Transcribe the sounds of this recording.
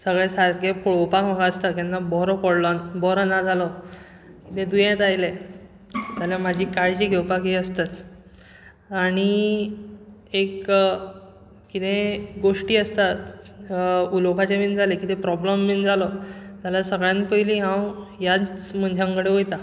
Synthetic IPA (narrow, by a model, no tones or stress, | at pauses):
səɡɭesaɾkepɭowpakməɡaəst̪akanːabɔɾɔpɔɽlɔnbɔɾənad͡zʱalɔ | kit̪ẽd̪ujẽt̪ajle | d͡zaljamad͡ʑʱiːkaɭt͡ɕiːɡʱewpakiəst̪at̪ | aɽ̃i | ek | kit̪ẽɡoʂʈiːəst̪at̪ | ulokat͡ɕemiːnd͡zʱalekit̪epɾɔbləmːind͡zʱalɔd͡zalasəɡɭjãnpəɦiliɦãwjat͡sm̤əɳd͡ʑʱeəŋɡəɽeɦojt̪a